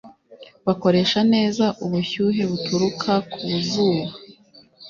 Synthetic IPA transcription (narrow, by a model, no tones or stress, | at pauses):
βako̞ɾe̞ːʃane̞ːzaʔuβuçuːɦe̞βutuɾukʰakʰuβuzuːβa